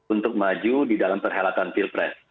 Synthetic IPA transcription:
unt̪ʊk̚mad͡ʒudidalampərɦalat̪anfilpɾɛs

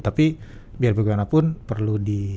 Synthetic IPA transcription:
t̪api | biarbaɡimanapʊnpərludi

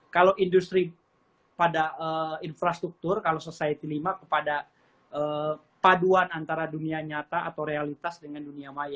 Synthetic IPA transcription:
kalawʔindust̪ɾi | padaəinfɾast̪ɾuk̚t̪ʊrkalawsəsait̪ilimakəpada | ʔə | paduanant̪aɾaduniaɲat̪aʔa̰t̪awɾealit̪asdəŋanduniamaja

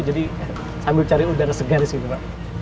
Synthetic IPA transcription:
d͡ʒadi | samit͡ʃaɾiudaɾasəɡaɾisinubaʔ

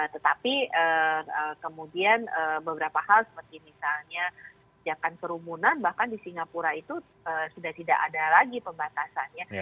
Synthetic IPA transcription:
ət̪ət̪apiəəkəmudianəbəbəɾapaɦalsə̥pərt̪imisalɲa | d͡ʒakankəɾumunanbahkandisiŋapuɾait̪u | əsudaht̪idaʔa̰dalaɡipəmbat̪asanja

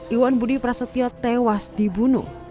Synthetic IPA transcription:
ʔiwɔnbudipɾasət̪iɔt̪ɛwasd̪̥ibunṵ

